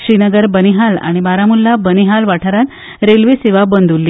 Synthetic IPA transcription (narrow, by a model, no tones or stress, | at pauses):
ɕɾinəɡəɾbəniɦala̰ɽ̃ibaɾamulːabəniɦalʋaʈʰaɾan | ɾelʋiseʋabənd̪ʱulːiː